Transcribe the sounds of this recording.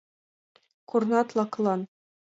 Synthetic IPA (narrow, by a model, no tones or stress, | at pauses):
kurnɑt̪lˠɑklˠɑn